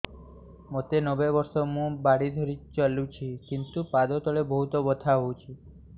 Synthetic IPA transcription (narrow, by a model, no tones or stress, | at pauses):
mot̪enɔbebɔɾsɔmũbaɽid̪ʱɔɾit͡ʃalũt͡ʃʰikint̪upad̪ɔt̪ɔɭebɔɦut̪ɔbɔt̪ʰaɦowt͡ʃʰi